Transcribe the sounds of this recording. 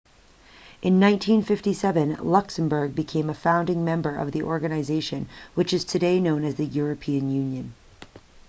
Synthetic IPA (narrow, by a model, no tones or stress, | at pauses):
ʔɨ̃nːãɪ̃ntʰĩnfɪftisɛvɨ̃nlʌksɨ̃m̩bə˞ɡ̚bɨkʰẽɪ̃məfãʊ̃ndɪ̃ŋmɛ̃mbə˞ʔʌ̰vðiʔɔɹɡɨnɨzeɪʃɨ̃nwɨt͡ʃɨz̥tʰɨdeɪnõʊ̃nɨzðɨjʊɹɨpʰiɨ̃njʉ̃njɨ̃n